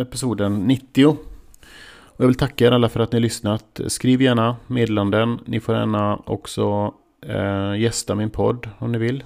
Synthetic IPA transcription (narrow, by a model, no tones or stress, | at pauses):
ɛpɪsuːd̪ənːɪt̪ːɪʊ | ɔjɑːɡvɪlt̪ʰakːaeːɾʔalːafœɾat̪nɪhalʏsnat̪skɾiːvjæːɳameːd̪ːland̪ənnɪfoːɾɛ̰ːnaʔɔ̰ksɔ | jɛst̪amɪnpʰɔd̪ːɔmnɪvɪlː